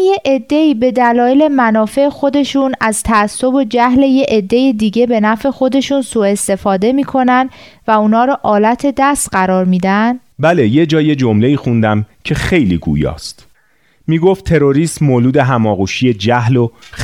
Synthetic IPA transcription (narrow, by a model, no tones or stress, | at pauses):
jeʔed̪ːe̞iːbe̞d̪ælɒːjele̞mænɒːfe̞exo̞d̪e̞ʃuːnæzt̪ʰæːsːo̞bo̞d͡ʒæhle̞je̞ʔed̪ːe̞jid̪iːɟe̞be̞næfe̞xo̞d̪e̞ʃuːnsuːe̞st̪e̞fɒːd̪e̞miːkʰo̞nænd̪væuːnhɒːɾɒːʔɒːlæt̪ʰe̞d̪æst̪ɢæɾɒːɾmiːd̪ænd̥̪bæle̞je̞d͡ʒɒːje̞d͡ʒomle̞iːxund̪æmcʰe̞xejlḭɡṵːjɒ̰ːst̪ | miːɡo̞ft̪ʰːe̞ɾo̞ɾiːsmoːluːd̪e̞ɦæmɒːɣuːʃije̞d͡ʒæhlo